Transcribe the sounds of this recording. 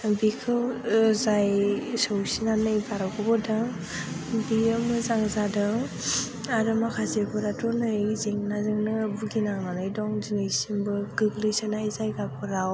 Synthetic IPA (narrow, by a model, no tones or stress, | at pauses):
bikʰɯwzajsɯwsinanɯjbaɾakʰɔbɔdɯŋ | biɯmɯzaŋzadɯŋ | aɾɯmakʰazebɯɾatɔnɯzeŋnazɯŋnɯbuɡinaŋnanɯjdɔŋziŋɯjsimbɯɡɯɡlɯsɯnajzajɡapʰɔɾaw